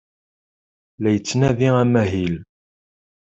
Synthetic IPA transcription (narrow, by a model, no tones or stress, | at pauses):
læjət͡sːnæðiæmæɦil